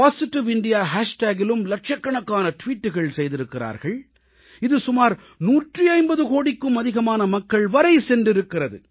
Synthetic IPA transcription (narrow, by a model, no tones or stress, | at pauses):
paːsɪʈːɪʋɪɳɖɪjaːɦaːʂʈaːɡɪlɯmlɐʈ̚t͡ʃɐkːɐɳɐkːaːnɐʈʋiːʈːɯɣɐɭsɛjðɪɾɯkːɪra̰ːɾɣɐɭ | ɪðɯsʊmaːɾ | nuːʈriɐɪmbɐðɯkoːɽɪkːɯmɐðɪɣɐmaːnɐmɐkːɐɭʋɐɾɐɪsɛndɪɾɯkːɪrɐðɯ̰